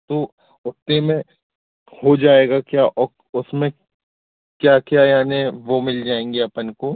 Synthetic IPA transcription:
t̪o | ʊt̪ːemẽ | hod͡ʒaːeːɡakjaːʔɔː | ʊsmẽ | kjaːkjaːjaːneʋomɪld͡ʒaːẽːŋ̆ɡiɐpənko

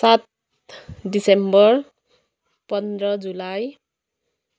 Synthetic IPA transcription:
sat̪̚ | ɖisembʌr | pʌnd̪rʌd͡zulaj

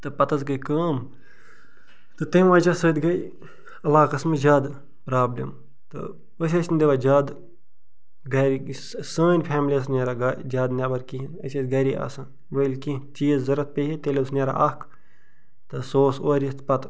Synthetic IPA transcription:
t̪ɨpɐt̪ɐzɡɐkɐːm | t̪ɨt̪ɐʋãːd͡ʒasɨːt̪ɡɐj | ɐlaːkɐsmɨd͡ʒʲaːd̪ | pɾaːblʲḭm | t̪ɨ̰ | ʋəs̬ʲɐt͡ʃʰnʲd̪eʋaːd͡ʒaːd̪ | ɡɐɾi | səːnʲpʰɛːmlʲiɐs̬nʲeːɾaɡad͡ʒaːd̪nʲaːbɐɾkĩɦinɐ̰sʲɐt̪ɡɐɾia̰ːsɐn | ʋəlʲkĩt͡ʃiːzzɐɾɐt̪̚peɦit̪elʲesnʲeːɾa̰ʔɐk | t̪ɨsoːsoːɾʲɐst̪pɐt̪

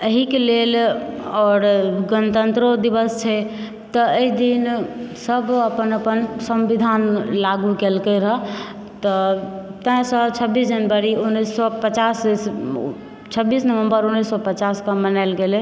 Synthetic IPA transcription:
əɦikelelɔːɾɡənət̪ənt̪ɾod̪ibəst͡ʃʰɛ | t̪ɔəɦid̪insəbʱəpənəpənsəmʋid̪ʱanlaɡukelkeɾəɦ | t̪ɔt̪ə̃sɔt͡ʃʰəbːisd͡ʒənbaɾiunːisːɔpət͡ʃass | t͡ʃʰəbːisnəʋəmbəɾunːisːɔpət͡ʃaskəmənalɡele

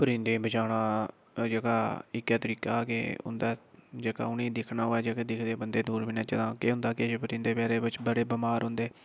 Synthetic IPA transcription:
pəɾĩnd̪eːbət͡ʃaːɽ̃aː | d͡ʒəɡaːɪkːɛːt̪əɾiːkaːkḛʊ̰nd̪aːd͡ʒəːka̰ːʊnĩːd̪ɪkʰnaːɦoːɛːd͡ʒeked̪ɪkʰd̪eːbənd̪eːd̪uːɾbiːnɛːt͡ʃəd̪ãːkeːɦʊ̃nd̪aːkɪt͡ʃpəɾĩːnd̪eːpɛːɾeːbɪt͡ʃbəɽeːbmaːɾɦʊ̃nd̪eː

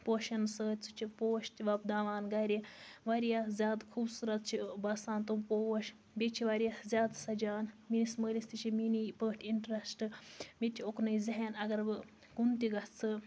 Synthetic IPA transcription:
poːʃɐnsəːt̪ʲt͡sʰut͡ʃʰipoːʃt̪ʲiʋɐb̚d̪aːʋaːnɡɐɾʲiʋaɾjaːzʲaːd̪kʰuːbsuɾɐt̪̚t͡ʃʰibɐsaːnt̪upowɐʃ | bʲet͡ʃʰiʋaɾijazʲaːd̪sɐd͡ʒaːnminisməːlisʲt̪it͡ʃʰiminipəːʈʰʲiɳʈɾɐsʈɨmit̪ʰʲioknɐjzɐɦenɐɡɐɾbɨ | kunt̪iɡɐt͡sʰɨ

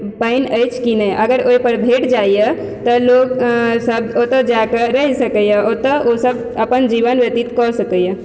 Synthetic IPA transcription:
pəɪnəjt͡ʃʰkinəjʔəɡəɾoipəɾbʱeʈd͡ʒaijə | t̪ɔloksəb̚ot̪əd͡ʒakəɾəɦisəkəjəot̪əʔosəb | əpənd͡ʒiʋənʋjət̪it̪kɔsəkəjə

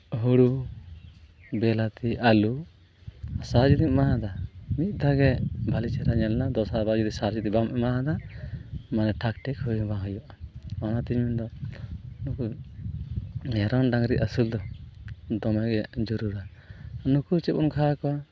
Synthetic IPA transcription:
ɦuɽu | bɛlat̪iʔalu | saɾd͡ʒid̪iŋmaɦãd̪amit̪̚ˀd̪aɡɛbʱalit͡ʃɛɾaɲɛlnad̪ɔsabad͡ʒud̪isaɾd͡ʒit̪ibamʔɛmaɦãd̪a | manɛʈʰakʈɛkhujbaɦɔjɔʔamanat̪iɲmind̪ɔ | nuku | ɛɾɔnɖaŋɾiʔ̪asuld̪ɔ | d̪ɔmɛɡɛd͡ʒuɾuɾanukut͡ʃɛbɔnkʰakɔwa

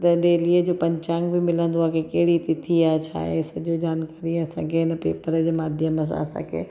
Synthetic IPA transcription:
t̪ɐɗeːliəd͡ʑoːpɐ̃ɲt͡ɕaːŋɡbɪmɪlə̃nd̪oaːkʰekɐɦɪɽit̪ɪt̪ʰiaːt͡ɕʰa̰ːɦesɐʄod͡ʑaːnkaːɾiɐsã̰ːkʰeɦɪnəpeːpəɾəd͡ʑeːmaːd̪ʱjəməs̬ã̰ːsã̰kʰḛː

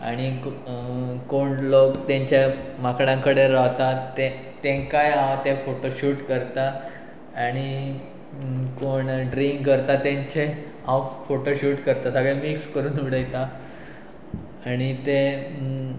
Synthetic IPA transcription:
a̰ɽ̃i | koɳlokt̪ãɲt͡ɕemakɽãŋkəɽeɾaʋt̪at̪e | t̪ẽkajãwt̪efoʈoɕuːʈkəɾt̪aː | ɽ̃i | koɳɖɾiŋɡkəɾt̪at̪ãɲt͡ɕe | ãwfoʈoɕuːʈkəɾt̪asaɡemikskəɾuːnʋiɽəjt̪a | ɽ̃it̪e

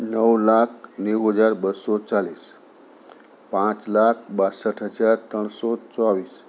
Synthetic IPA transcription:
nəwlak̚ʰnewɦəd͡zaɾbəsɔt͡saliːs | pãt͡slak̚ʰbasəʈʰɦəd͡zaɾt̪əɳsɔt͡sɔaʋiːs

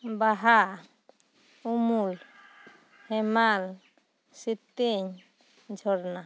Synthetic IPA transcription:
baɦa | umul | hɛmal | sit̪ːeɲ | d͡ʒʱɔɾna

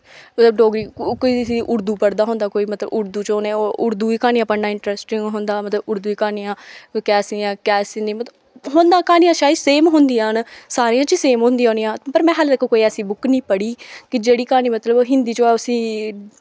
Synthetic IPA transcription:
mət̪ləbɖoːɡɾiːkoːiːsiːʔʊɾd̪uːpəɽd̪aːɦõːnd̪aːkoːiːmət̪ləbʊɾd̪uːt͡ʃoːnẽːoːʊɾd̪uːiːkaːnijãːpəɽnãːɪɳʈɾɛːsʈɪŋɡɦʊ̃nd̪aːmət̪ləbʊɾd̪uːiːkaːnijãːkɛːsɪãːkɛːsɪ̃nd̪ĩmət̪ə | ɦõːnd̪ãːkaːnijãːʃaːiseːmɦʊ̃nd̪ĩːnsaːɾiːãːt͡ʃəseːmɦoʊ̃ːnd̪iãɦonijãːpəɾmɛ̃ːɦəld̪ɛkoːkoːiːɛːsĩːbʊknĩːpəɽiːkɪd͡ʒeːɽiːkaːniːmət̪ləbːɦɪnd̪iːt͡ʃoːɛːʊsĩː

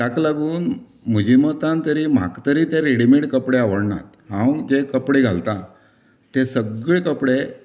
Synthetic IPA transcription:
ʈaklaɡuːn | mud͡ʑimət̪ãnt̪əɾiːm̤a̰kt̪əɾiːt̪jaɾeɽimiʈkəpɽeaʋəɽɳa̰t̪hãwd͡ʑekəpɽeɡʱalt̪a | t̪esəɡɭekəpɽe

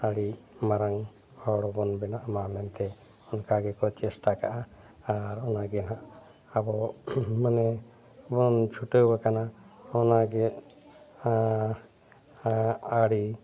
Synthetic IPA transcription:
aɽimaɾaŋ | hʰɔɽɔbɔnbɛnaʔmamɛnt̪ɛ | ɔnkaɡɛkɔt͡ʃɛst̪akaʔaː | ɾɔnaɡɛnaʔ | abɔmanɛ | bɔnt͡ʃʰuʈewbakanaɔnaɡɛ | aɽi

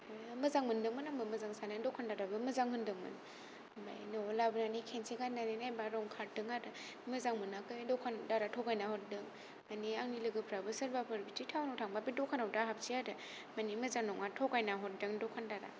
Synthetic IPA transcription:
mɯzaŋmɯndɯŋmɯnaŋbɯmɯzaŋsanɯdɔkʰandaɾabɯmɯzaŋhɯndɯŋmɯ̰n | ba̰jnolabɯnanikʰenseɡatnanenajbaɾɔŋkʰat̚dɯŋaɾɯ | mɯzaŋmɯnakɯdɔkʰandaɾatʰɔkajnahɔt̚dɯŋ | maniaŋnilɯɡɯpʰɾabɯsəɾbapʰɯɾbitʰitʰawnawtʰaŋbabidɔkʰanawtaɦap̚siaɾɯ | manimɯzaŋnɔŋatʰɔkajnaɦɔt̚dɯŋdɔkʰandaɾa̰

